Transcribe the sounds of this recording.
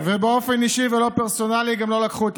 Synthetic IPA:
vebeo̞feniʃivelo̞peʁso̞naliɡamlo̞lakχuet̪

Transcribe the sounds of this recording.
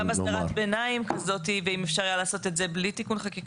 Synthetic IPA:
amasaʁat̪benaimkazo̞tiveimefʃaʁjalaːso̞t̪e̞tze̞blitikunχakik

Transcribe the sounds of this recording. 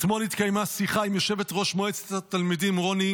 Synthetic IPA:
t̪molit̪kajmasiχaimjoʃe̞vet̪ʁo̞ʃmoet͡set̪at̪almidimʁo̞ni

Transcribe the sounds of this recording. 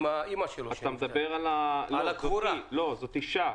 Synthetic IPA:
maimaʃeloat̪amed̪abeʁalaloazouɾalo̞zot̪iʃa

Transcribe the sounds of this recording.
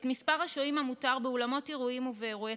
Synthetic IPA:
tmispaʁhaʃoimamutaʁbeolamo̞teʁuimuveːʁua

